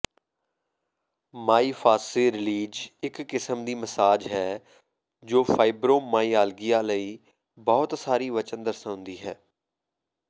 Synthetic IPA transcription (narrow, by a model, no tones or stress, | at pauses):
maːiːfʰaːseːɾɪliːd͡ʒɪkːɪsəmd̪iːməsaːd͡ʒɦɛː | d͡ʒoːfʰaːɪbɾoːmaːiːaːlɡijaːləiː | bɔːt̪saːɾiːʋət͡ʃənd̪əɾsɦʊ̃nd̪iːɦɛː